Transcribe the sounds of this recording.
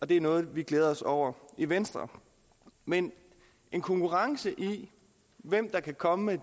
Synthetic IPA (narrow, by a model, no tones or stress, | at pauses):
ɒ̽d̥e̝æɐnɔ̽ːð̞̩ˠʋiɡ̥leːð̞ˠɐɒ̽sɒʊ̰ɐiʋensd̥ʁɐ̰ | men | e̝nkʰɒ̽ŋkʰuʁɑ̈ŋsəʔi | ʋem̰d̥ɑ̈kʰækʰɒ̽məme